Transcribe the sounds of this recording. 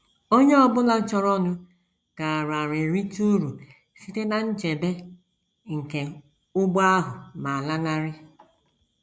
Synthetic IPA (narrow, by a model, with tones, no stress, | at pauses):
o˦ɲe˦ɔ˦bʊ˦la˨˦t͡ʃɔ˦ɾɔ˦nʊ˦ | ka˨a˨ɾa˨ɾe˨ɾi˦tu˦ɾu˨ | si˦te˦na˨n̩˦t͡ʃe˨be˦ | ŋ̩˨ke˨ | ʊ˦ba˦ɦʊ˨ma˨a˨la˦na˦ɾɪ˦